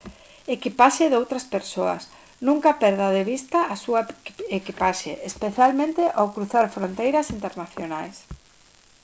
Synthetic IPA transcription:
ekipaʃeðowt̪ɾɐspeɾsoɐ̰s | nũŋkɐpɛɾð̞ɐðeβ̞ist̪aʔːsuɐekipaʃḛʔːspeθjalmẽnt̪eʔowkɾuθaɾfɾont̪ejɾɐsint̪eɾnaθjonajs

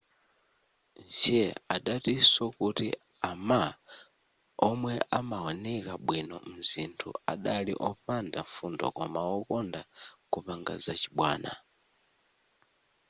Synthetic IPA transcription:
nd͡ʒɛaɗatisɔkuti | ama | ɔmwɛʔamawɔnɛkaɓwinɔ̰m̩zintʰṵaɗaliʔɔɸandafundɔ̰kɔmaɔkɔndakupaŋɡa̰zat͡ʃi̥ɓwaːna̰

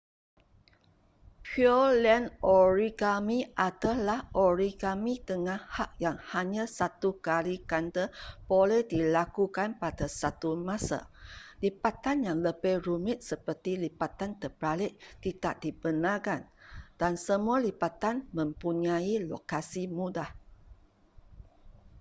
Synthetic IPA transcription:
pʰiolɛnoɹikamĩʔadəlahʔoɾikamit̪əŋahhak̚jaŋhaɲãsat̪ukalikant̪əb̥olɛhdilakukanpadasat̪umãsa̰lipat̪anjaŋləbeɾumɪt̪̚səpərt̪ilipat̪ant̪əpɾalɪʔt̪it̪aʔ̚dibənakand̥ansəmualipat̪anmə̃mpuɲailokasimudah

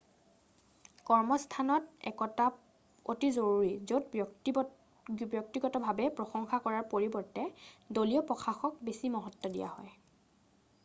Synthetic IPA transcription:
kɔɹmɔstʰanɔtɛ̰kɔta | otizoɹuɹizotb | bjɔk̚tiɡɔtɔbʱabɛpɹɔxɔŋxakɔɹaɹpoɹibɔɹtɛdolijɔpɹɔxʰaxɔk̚besimɔɦɔtːɔdḭja̰hɔj

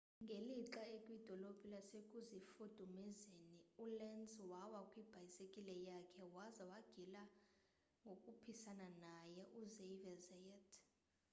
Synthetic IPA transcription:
ŋɡʱeliǁaekʼwid̥ʱɔlob̥ʱʼilasekʼuzifud̥ʱumizeniulɛnzwawakʼwib̥ʱajisekʼilɛjakʰɛwazawaɡ̥ʱila | ŋɡʱokʼupʰisananajɛʔuzevɛzɛjɛtʰ

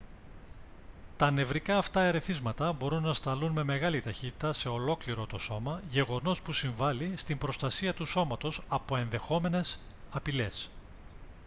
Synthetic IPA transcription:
t̪ɐne̞vɾikɐːft̪ɐe̞ɾe̞θizmɐt̪ɐbo̞ɾunːɐst̪ɐlunme̞me̞ɣɐlit̪ɐçit̪i̥t̪ɐse̞o̞lo̞kliɾo̞t̪o̞so̞mɐʝe̞ɣo̞no̞spusiɱvɐlist̪imbɾo̞st̪ɐsiɐt̪uso̞mɐt̪o̞sɐpo̞e̞nðe̞xo̞me̞ne̞s | ɐpile̞s

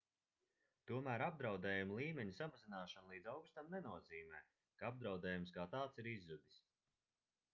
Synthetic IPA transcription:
t̪uɔmæːɾab̚d̪ɾawd̪ɛːjumlˠiːmʲeɲusamazinaːʃanlˠiːd̪zawkst̪amnenuɔziːmɛː | kaab̚d̪ɾawd̪ɛːjumskaːt̪aːt̪siɾizːud̪is

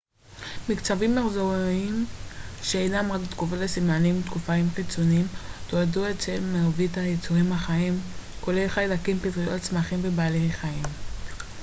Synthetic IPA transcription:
mikt͡savimːaχzoiimʃeejnamʁakt̪ɡuvolesimanimt̪kufaimkit͡sonimtoaduett͡selmevitajet͡suʁimhaχaimkolejχajlakimpitʁiot͡smaχimvebaːlejχaim

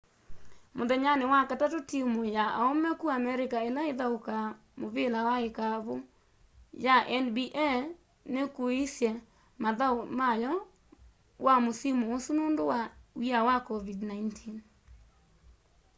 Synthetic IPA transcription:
moðɛɲanewakatatotimojaaomɛkuamɛɾekaelaeðaoka | moβelawaekaβo | jaʔɛnbiʔɛ | nekoisjɛ | maðaomajɔ | wamosimoosunoːndowawiawakɔvidnaintʰin

